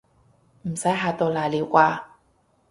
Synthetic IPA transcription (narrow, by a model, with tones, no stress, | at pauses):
m̩˨˩sɐ˨˥jɦaː˧t̪o˧wlaː˨˩jliː˨˥wkʷaː˧